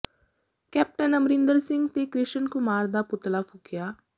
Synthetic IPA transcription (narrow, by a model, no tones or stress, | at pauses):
kɛːp̚ʈənəmɾɪnd̪əɾsɪ̃ŋɡt̪ekɾɪʃənkʊmaːɾd̪aːpʊt̪lafʰʊkɪjaː